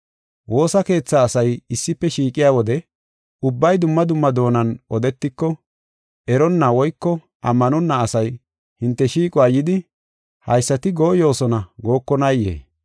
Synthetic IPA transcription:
wo̞ːsɐke̞ːt͡sːaːsɐjɪsːɪpːɛʃiːkʼɪjaːwɔd̪ɛ | ʊbːɐjd̪ʊmːɐd̪ʊmːɐd̪o̞ːnɐnʔɔd̪ɛt̪ːɪkːɔ | ʔɛɾɔnːɐwɔjkːɔ | ʔɐ̰mːɐnɔnːɐːsɐj | hɪnt̪ːɛʃiːkʼʊaːjɪd̪ɪ | hɐ̰jsːɐt̪ɪɡo̞ːjo̞ːsɔnɐɡo̞ːkːɔnɐjːḛː

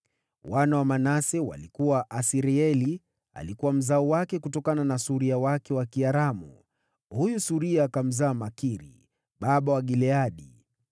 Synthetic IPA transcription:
wanawamanasɛwa̰likuwaʔasiɾiɛli | a̰likuwam̩zaɔwakɛkutɔkananasuɾiawakɛwakiaɾamṵ | hujusuɾiaːkam̩zaːmakiɾḭ | ɓaɓawaɠilɛaɗi

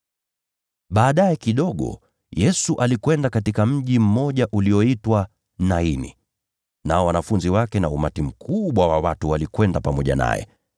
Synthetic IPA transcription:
ɓaːɗajɛkiɗɔɠɔ̰ | jɛsuʔalikwɛndakatikam̩ʄim̩mɔʄaʔuliɔitwa | nainḭ | naɔwanafunziwakɛnaumatim̩kʰuɓwawawatuwalikwɛndapamɔʄa̰na̰jɛ̰

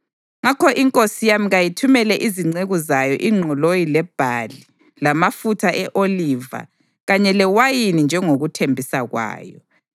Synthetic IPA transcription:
ŋakʰɔʔiŋkʼosijamiɣajitʰumɛlɛʔiziŋ͡ǀeɣuzajɔʔiŋ͡ǀʱɔlojilɛb̥ʱali | lamafutʰaʔɛʔoliva̰ | ɣaɲɛlɛwajinind͡ʒʱɛŋoɣutʰembʱisaɣwa̰ːjɔ

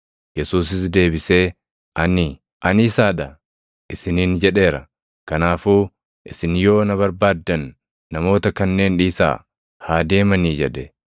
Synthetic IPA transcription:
jɛsuːsɪsd̪e̞ːbɪse̞ː | ʔɐnɪ | ʔɐnɪːsaːᶑɐ | ʔɪsɪniːnd͡ʒɛᶑe̞ːɾɐ | kɐnaːfuː | ʔɪsɪnjo̞ːnɐβɐɾbaːd̪ːɐnː | ɐmo̞ːt̪ɐkɐnːe̞ːnᶑiːsa̰ː | haːd̪e̞ːmɐniːd͡ʒɛᶑɛ

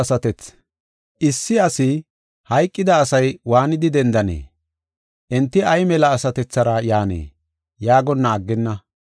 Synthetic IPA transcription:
ɐsɐt̪ɛt͡s | ʔɪsːɪɐsɪ | hɐjkʼːɪd̪ɐːsɐjwaːnɪd̪ɪd̪ɛnd̪ɐnḛː | ʔɛnt̪ːɪɐjmɛlɐːsɐt̪ɛt͡sːɐɾɐjaːnḛː | jaːɡɔnːɐːɡːɪnːɐ

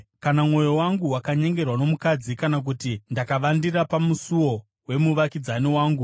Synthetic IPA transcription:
kanamŋo̞jo̞waŋɡuwakaɲe̞ŋɡe̞rwano̞mukad͡zikanak̬utindakaʋandirapamusuwo̞ | we̞muʋakid͡zaniwaːŋɡu

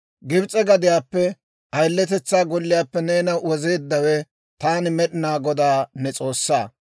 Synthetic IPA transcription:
ɡɪbt͡sʼɛɡɐd̪ɪjaːpːɛ | ɐjlːɛt̪ɛt͡sːaːɡɔlːɪjaːpːɛneːnɐwɔze̞ːd̪ːɐwɛ | t̪aːnɪmɛɗɪnaːɡɔd̪aːnɛt͡sʼo̞ːsːa̰ː

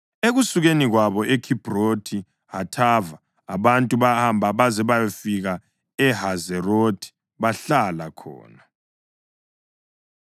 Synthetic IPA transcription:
eɣusuɣeniɣwaβɔʔekʰib̥ʱrotʰi | ɦatʰavaː | βantʼuβahambʱaβazɛβajofiɣa | ɛhazɛrotʰi̥ | βaɬalakʰɔ̰ːna

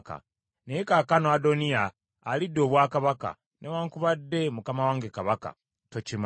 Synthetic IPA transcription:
ka̰ | neekakanoadonijaː | lidːo̞ːβwaːkaβaka̰ | nʔewaːŋkuβadːe̞mukamawaːŋɡekaβaka̰ | tocim

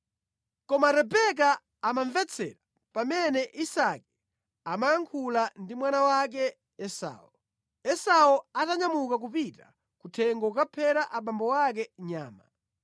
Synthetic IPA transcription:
kɔmaɾɛbɛk̬aː | maɱvɛt͡sʰɛ̰ɾa | pamɛnɛʔisakɛ̥ | amajaŋkʰulandimwanawak̬ɛː | sa̰ːɔ | ɛsawɔataɲamukak̬upita | kutʰɛŋɡɔkapʰɛɾaʔaɓambɔwak̬ɛɲaːma

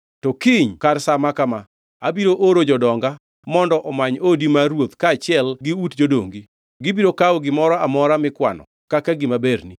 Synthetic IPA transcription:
tɔkiɲkarsamakama | abiɾoʔoɾod͡ʒɔdɔŋɡa | mɔndɔʔɔmaɲodimaɾwot̪kaːt͡ʃɪɛlɡɪutd͡ʒodo̰ŋɡi | ɡɪbiɾokaɔɡɪmɔɾɔamɔɾamɪkwa̰nɔ̰ | kakaɡɪmabeɾni

